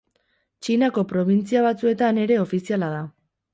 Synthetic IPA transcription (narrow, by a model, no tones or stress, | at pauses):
t͡ʃinako̞pɾo̞βint͡siaβ̞at͡sue̞t̪ane̞ɾe̞o̞fisialað̞a